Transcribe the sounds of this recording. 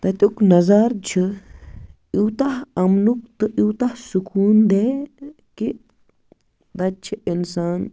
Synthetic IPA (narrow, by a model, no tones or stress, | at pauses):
t̪ɐt̪ʲuknɐzaɾt͡ʃʰɨ | iwt̪ahɐmnuk̚t̪ɨʔiwt̪ahsukuːnd̪eː | ki | d̪ɐt͡ʃʰiʔinsaːn